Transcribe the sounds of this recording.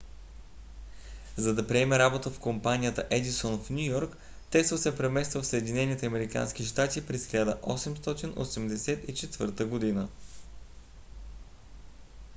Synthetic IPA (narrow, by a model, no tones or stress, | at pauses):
zɐd̪ɐpɾiɛmɛɾabot̪əfkompanʲijət̪əʔɛd̪isɔnfnʲujɔɾk | t̪ɛsvəsɛpɾɛmɛst̪vəfsəɛd̪inɛnit̪ɛɐmɛɾika̰nsk̟iʃt̪at̪ipɾɛsxlʲad̪əʔɔsɛmst̪ɔt̪inʔo̰sɛmd̪ɛsɛt̪it͡ʃɛt̪vɤ̰ɾt̪əɡod̪inə